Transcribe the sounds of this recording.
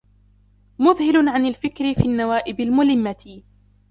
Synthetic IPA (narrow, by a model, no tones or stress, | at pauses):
mʊðhɪlʊʕanalfɪkɾɪfiːanːawaːʔɪbalmʊlɪmːat̪ɪ